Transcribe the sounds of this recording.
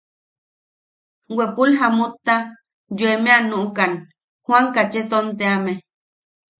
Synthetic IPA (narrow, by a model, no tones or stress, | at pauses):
wepulɦamut̪ːa | d͡ʒuemẽanuʔukan | hwaŋkat͡ʃet̪ont̪eame